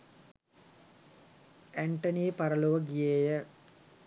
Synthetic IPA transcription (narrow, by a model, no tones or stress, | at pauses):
æɳʈəniːpɐɾəluʋəɡijeːjə